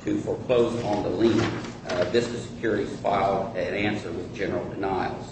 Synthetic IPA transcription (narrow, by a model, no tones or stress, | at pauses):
tʰɨfə˞pʰoʊzn̩ðəlĩn | bɪstɨ̥sɨ̥kʰj̥ʊɹɨɾiz̥fa̰ɪlˠɾɨ̃næ̃nsə˞wɨðd͡ʒɛnə˞l̩ˠdɨnaɪl̩ˠz̥